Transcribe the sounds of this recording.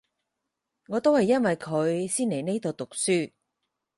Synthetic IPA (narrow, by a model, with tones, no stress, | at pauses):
ŋɔː˨˧t̪o˥whɐ˨jːɐ˥nwɐ˨jkʰɵ˨˧ɥsiː˥nle˨jne˥jt̪o˨˧wt̪ʊ˨k̚syː˥